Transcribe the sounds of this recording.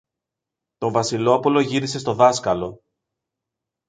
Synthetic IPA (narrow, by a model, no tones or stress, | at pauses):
t̪o̞ɱvɐsilo̞polo̞ʝiɾise̞st̪o̞ðɐskɐlo̞